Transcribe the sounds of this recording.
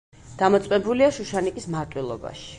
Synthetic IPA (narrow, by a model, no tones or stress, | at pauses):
d̪̥amɔt̪sʼwɛbuliaʃuʃanikʼismaɾt̪ʼwilˠɔ̰ba̰ʃi̥